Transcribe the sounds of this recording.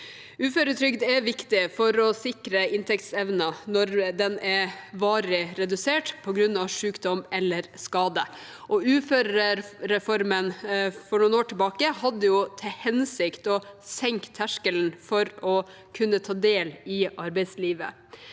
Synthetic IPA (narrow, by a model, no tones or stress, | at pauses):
ʉːføɾət̪ʰɾʏkd̪ɛʋɪkt̪ɪfɔɾɔsɪkɾəɪnt̪ʰɛkt̪sɛʋnɑnɔɾd̪ɛnɛʋɑːɾɪɾɛd̪ʉseːʈpʰɔɡɾʉnːɑʋʂʉːkd̪ɔmɛlːəɾskɑːd̪ə | ʔɔʉːføːɾəɾɾɛfɔɾmənfɔɳuːnoːʈʰɪbɑːkəhɑd̪ːəjʊt̪ʰɛhɛnsɪkt̪ɔsɛŋkt̪ʰːæʂkəln̩fɔɾɔ | kʰʉnːət̪ʰɑːd̪eːlɪʔɑɾbɛɪsliːʋə̰